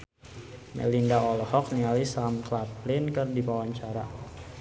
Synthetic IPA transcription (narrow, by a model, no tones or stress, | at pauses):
mɛ̰lindaɔlɔhɔk̚nialisamklap̚lɪnkərdipawaɲt͡ʃaɾa̰